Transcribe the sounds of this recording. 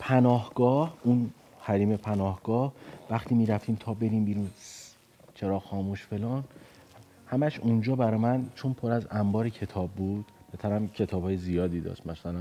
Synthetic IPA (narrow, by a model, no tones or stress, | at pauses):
pʰænɒːhɡ̥ɒːhun | hæɾiːmepʰænɒːhɡ̥ɒːhvæxt̪ʰiːmiːɾæft̪ʰiːmt̪ʰɒːbe̞ɾiːmbiːɾun | t͡ʃʰeɾɒːxɒːmuʃfe̞lɒːn | hæmæʃund͡ʒɒːbæɾɒːmænt͡ʃʰonpʰoɾæzæmbɒːɾecʰe̞t̪ʰɒːb̚ːuːd̪̥bet̪ʰæɾæmcʰe̞t̪ʰɒːb̥hɒːjezijɒːd̪iːd̪ɒ̰ːʃt̪mæsælæm